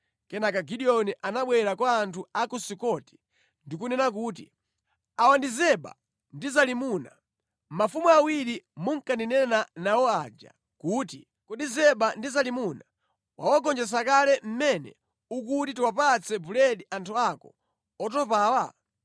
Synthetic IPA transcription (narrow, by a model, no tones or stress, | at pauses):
kɛnakaɡiɗiɔniʔanaɓwɛɾakwaːntʰuakusikɔti̥ | ndik̬unɛnak̬uːt̬ḭ | awandizɛɓa̰ | ndizalimuna̰ | m̩mafumuawiɾimuŋ̩kandinɛnanawɔad͡ʒa̰ | kuːti | kɔɗizɛɓandizalimuna | wa̰waɡɔnd͡ʒɛs̬akalɛm̩mɛnɛ̰ | uk̬utituwapat͡sɛbulɛɗiʔantʰuakɔ̰ | ɔt̬ɔpaːwa